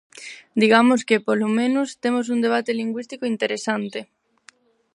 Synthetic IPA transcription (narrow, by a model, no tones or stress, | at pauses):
d̪iɣamoskepolomẽnost̪emos̬und̪eβ̞at̪eliŋɡwist̪ikoint̪eɾesant̪e